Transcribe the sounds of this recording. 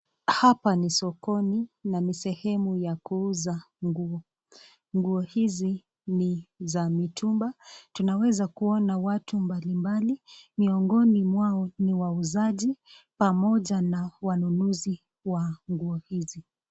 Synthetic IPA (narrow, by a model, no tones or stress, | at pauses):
hapanisɔkɔninanisɛhɛmujakuuza | ŋɡuɔ | ŋɡuɔhizi | nizamitʰumbatunawɛzakuɔnawatumbalimbalimiɔŋɡɔnimwaɔniwauzaʄi | pamɔʄanawanunuzi | waŋɡuɔhizi